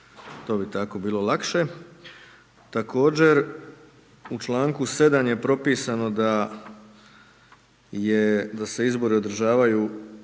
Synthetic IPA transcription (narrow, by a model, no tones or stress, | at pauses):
t̪o̞ːbit̪ako̞biːlo̞lˠakʃe̞ | t̪ako̞ːd͡ʑe̞ɾ | ut͡ʃlˠaːŋkuse̞d̪anje̞pɾo̞piːsano̞d̪a | jed̪ase̞izbo̞ɾio̞d̪r̩ʒaːʋajuː